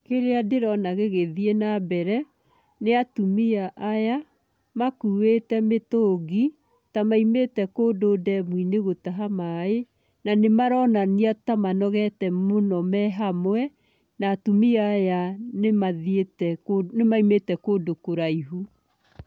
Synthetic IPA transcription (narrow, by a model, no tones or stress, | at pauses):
keɾeadeɾɔnaɣeɣeðienabɛɾɛ | neatumiaʔːja | makuetɛmetoɣi | tamaimetɛkoːdoːdɛmwineɣotaɦamae | nanemaɾɔnaniatamanɔɣɛtɛmonɔmɛɦamwɛ | naːtumiaːjanemaðietɛnemaimetɛkoːdokoɾaiɦu